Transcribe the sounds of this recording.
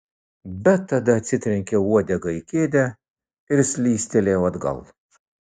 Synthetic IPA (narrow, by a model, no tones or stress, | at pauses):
bʲɛt̪ːɐd̪ɐt͡sʲɪt̪ɾʲɪŋʲkʲɛwɔːd̪ʲɛɡɐɪkʲeːd̪ʲɛ | ɪɾsʲlʲiːst̪ʲɛlʲɛːwɐd̪ɡɐ̰lˠ